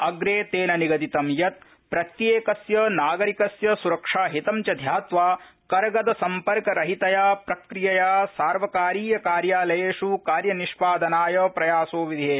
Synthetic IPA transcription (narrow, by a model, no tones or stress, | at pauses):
ɐɡɾeːt̪eːnɐniɡɐd̪it̪ɐmjɐt̪̚ | pɾɐt̪jeːkɐsjɐnaːɡɐɾikɐsjɐsuɾɐkʂaːɦit̪ɐmt͡ʃɐd̪ʱjaːt̪ʋaː | kɐɾɐɡɐd̪ɐsɐmpɐɾkɐɾɐɦit̪ɐjaːpɾɐkɾijɐjaːsaːɾʋɐkaːɾiːjɐkaːɾjaːlɐjeːʃukaːɾjɐniʃpaːd̪ɐnaːjɐpɾɐjaːsoːʋid̪ʱiɦeː